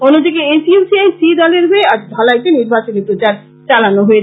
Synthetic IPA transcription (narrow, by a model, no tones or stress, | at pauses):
onːod̪ikeesiusiajsid̪ɔleɾɦoeaɾd̪ʱɔlajt̪eniɾbat͡ɕonepɾot͡ɕaɾ | t͡ɕalanoɦoe